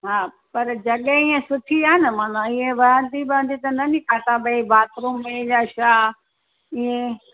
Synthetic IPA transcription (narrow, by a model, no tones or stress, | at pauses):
ɦaː | pɐɾd͡ʑɐɠeiːẽsʊʈʰiaːenəmaːnãɪɦẽʋɐɾə̃nd̪ibɪə̃nd̪it̪ɐnɐnikʰasãɓɐibaːt̪ɾũːmːẽd͡ʑaːʃaː | iẽ